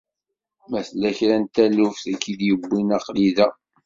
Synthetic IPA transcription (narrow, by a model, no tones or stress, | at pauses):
mæθlːæçɾænt̪ælufθækːid̪jəbːinɑqliðæ